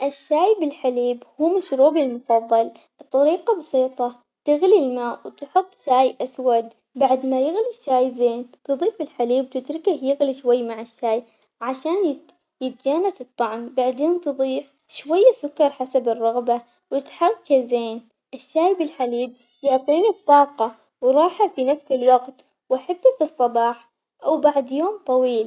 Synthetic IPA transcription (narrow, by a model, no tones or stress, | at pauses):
ʔɪʃːaːjbɪlħaliːbhuːmaʃɾuːbɪlmʊfɑðˤːɑl | t̪ˤːɑɾiːqɑbɑsˤiːt̪ˤɑ | t̪ɪɣlilmaːʔwt̪ħʊt̪ˤːʃaːjʔaswad̪ | baʕd̪majɪɣliʃːaːjzeːnt̪ɨðˤiːfɪlħaliːb̚t̪ɪd̪ɾɪkɪhjɪɣliʃwajːmaʕɪʃːaːj | ʕaʃaːnjɪ | jɪt̪̚d͡ʒaːnasɨt̪ˤːɑʕmbaʕd̪eːnt̪ɨðˤiːf | ʃwajːasʊkːɑɾˤħasabɨrˤːɑɣba | wɪt̪ħɑrˤɑkazeːn | ʔɪʃːaːjbɪlħaliːb̚ | jʊʕt̪ˤiːnitːɑːqɑ | wɾˤɑːħafinafsɪlwaɡt̪ | wʔaħabːafisˤːɑbɑːħ | ʔawbaʕd̪joːmt̪ˤɑwiːl